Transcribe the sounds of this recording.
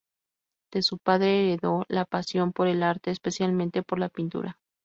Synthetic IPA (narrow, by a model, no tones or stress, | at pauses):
d̪̥e̞supaðɾeːɾeðo̞lapasjo̞mpo̞ɾelaɾt̪e̞ːspe̞sjalmẽnt̪e̞po̞ɾlapint̪ṵɾa